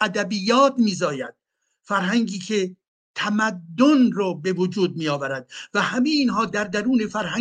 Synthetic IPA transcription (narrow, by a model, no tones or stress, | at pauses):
æd̪æbijːɒːt̪miːzɒːjæd̪̥̚ | fæɾɦæŋɡiːkʰe̞ | t̪ʰæmæd̪ːonɾɒːbe̞vod͡ʒuːd̪̚miːjɒːvæɾæd̪̥̚væhæmejiːnɦɒːd̪æɾd̪æɾuːne̞fæɾhæ